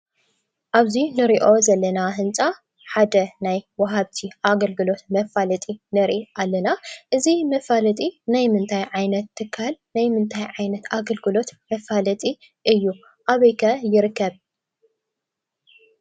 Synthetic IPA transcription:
ʔaβzinɨɾiʔo̞zɐlːɐnaɦɨnt͡sʼa | ħad̪ɐnajwɐɦaβt̪ʰiʔaɡɐlɡɨlo̞t̪mɐfalɐt̪ʼinɐɾʔiʔalːɐnaʔɨzimɐfalɐt̪ʼinajmɨnt̪ʰajʕajnɐt̪ʰːɨkʰːalnajmɨnt̪ʰajʕajnɐt̪aɡɐlɡɨlo̞t̪mɐfalɐt̪ʼi | ʔɨjːu | ʔaβɐjkʰɐjɪɾɨkʰːɐβ

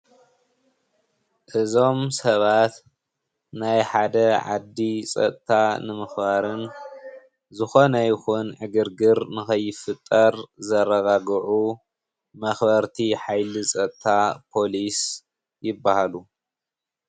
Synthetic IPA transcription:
ʔɨzo̞msɐβat̪ | najħad̪ɐʕa̰d̪ːisʼɐ̰t̪ʼt̪ʰanɨmɨxbaɾɨn | zɨxo̞nɐjɪxunʕɨɡɨɾɡɨɾnɨxɐjːɪfɨt̪ʼːɐɾzɐɾɐɣaɡʕu | mɐxbɐɾt̪ʰiħajlisʼɐt̪ʼt̪ʰapʰo̞lis | jɪbːahalu

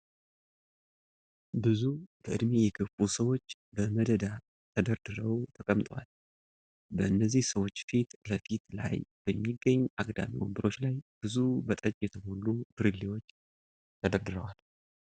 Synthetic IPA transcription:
bɨzubəʔɨd̪mejɛɡəfusəwo̞t͡ʃː | bəməd̪əd̪a | t̪ʰəd̪əɾd̪ɨɾəwt̪ʰəkʼəmt̪ʼwa̰l | bəɨnːəzːihsəwo̞t͡ʃːfit̪ləfit̪la̰jb̥əmːiɡəɲːʔaɡʼd̪a̰miwombɨɾo̞t͡ʃːlajb̥ɨzubət̪ʼət͡ʃʼjɛt̪ʰəmolːub̥ɨɾɨlːiwo̞t͡ʃː | t̪ʰəd̪əɾd̪ɨɾəwal

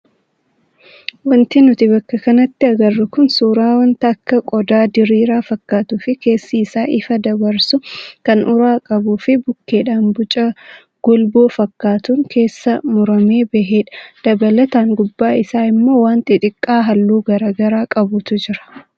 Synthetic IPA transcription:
wɐnt̪ɪnʊt̪ɪbɐkːɐkɐnɐt̪ːɪɐɡɐrːʊkʊnsuːɾaːwɐnt̪ɐːkːɐkʼɔd̪aːd̪ɪɾiːɾaːfɐkːaːt̪ʊfɪke̞ːsːɐɪsaːʔɪfɐd̪ɐbɐɾsʊkɐnʔʊɾaːkʼɐbuːfɪbʊkːe̞ːᶑaːnbʊt͡ʃʼɐ | ɡ̥ɔlboːfɐkːaːt̪uŋkʰe̞ːsːɐmʊɾɐme̞ːbɛɦeːᶑɐ̥d̪̥ɐbɐlɐt̪aːŋɡʊbːaːɪsaːɪmːo̞ːwaːnt̪ʼɪᶑ̪ʼɪkʼːaːɦɐlːuːɡɐɾaːɡɐɾaːkʼɐbʊt̪ʊd͡ʒɪɾɐ̥

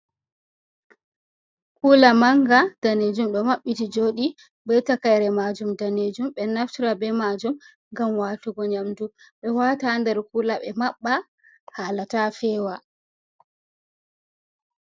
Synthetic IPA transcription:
kulamaŋɡad̥aned͡ʒumɗɔmaɓːitid͡ʒoːɗi | bɛtakajɾɛmad͡ʒumdaned͡ʒumɓɛnaftiɾabɛmad͡ʒum | ŋɡamwaːtuɡɔɲamduɓɛwatandɛɾkulaɓɛmaɓːa | haːlatafɛːwa

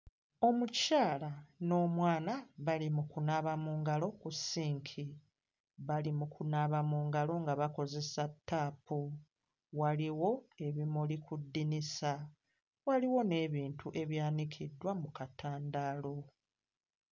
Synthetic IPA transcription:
o̞mucaːlano̞ːmwaːnaβalimukunaβamuːŋɡalo̞kusiːŋkʰi | βalimukʰunaβamuːŋɡalo̞ŋɡaβako̞ze̞satʰːaːpu | waliwo̞e̞βimulikudːinisa | waliwo̞ne̞ːβiːntuʔe̞βjaːnikʰidːwamukatʰaːndalo̞

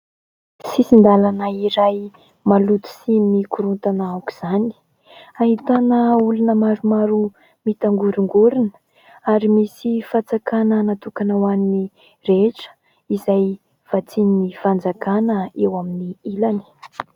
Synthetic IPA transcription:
sisind̪alanaiɾaj | malut̪i̥simikuɾunt̪anaawku̥z̥ani̥ | aɦit̪anəulunəmaɾumaɾu | mit̪aŋɡuɾiŋɡuɾinə̥ | aɾimisifat͡sakanənat̪ukanawanni | reʈ͡ʂə̥ | izaj | v̥at͡sininifand͡zakanəewaminiilani̥

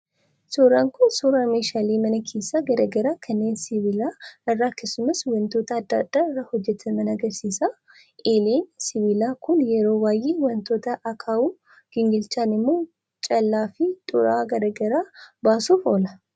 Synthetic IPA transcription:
soːɾaːŋkʊnsoːɾaːmeːʃaːleːmɐnɐkʰe̞ːsːɐɡɐɾɐɡɐɾaːkʰɐnːe̞ːnsɪvɪlaːɪrːaːkːeːsʊmɐswɐnt̪o̞ːt̪ɐːd̪ːɐːd̪̥ːaːɪrːaːhɔd͡ʒːɛt̪ʰɐmɐnɐɡɐɾsiːsa | ʔeːleːnsɪβɪlaːkʊnjɛɾo̞ːwaːjeːwɐnt̪o̞ːt̪ɐʔɐkʰaːwuː | ɡ̥ɪŋɡɪlt͡ʃaːnɪmːoː | t͡ʃʼɐlːaːfɪt̪ʼʊɾaːɡɐdɐɡɐɾaːbaːsuːfo̞ːlɐ

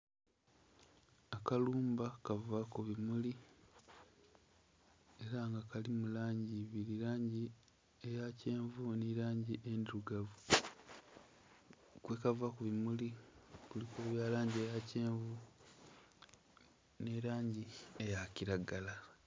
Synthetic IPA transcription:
akaluːmbakavakuβimuli | e̞ɾaŋɡakalimulaːɲɟiβiɾiɾaːɲɟi | ejace̞ːɱvuniɾaːɲɟiʔendiɾuɡa | kwekavakuβimulikulikuβjaːlaːɲɟiejaceːɱvu | neɾaːɲɟiejaciɾaɡala

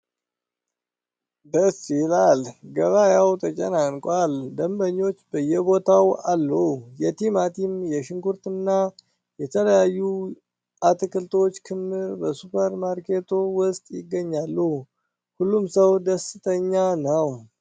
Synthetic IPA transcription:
d̪əsilalɡəβajawt̪ʰət͡ʃʼənankʼald̪əmbəɲːo̞t͡ʃːbəjɛbo̞t̪ʰawalːuhjɛt̪imat̪ʰimjɛʃɪŋɡuɾt̪ɨnːa | jɛt̪ʰələjajːu | ʔat̪ʰɨkɨlt̪ʰo̞t͡ʃːkʰɨmːɨɾbəsupʰəɾmaɾkʰet̪ʰowʊst̪ʼjɪɡːəɲːalːuh | hulːumsəwd̪əsɨt̪ʰʼəɲːanəw

